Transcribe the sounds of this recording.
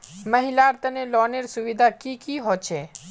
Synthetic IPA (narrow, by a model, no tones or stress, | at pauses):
məɦɪlaɾt̪ənelɔːneɾsʊʋid̪ʱakikiɦoːt͡ʃʰeː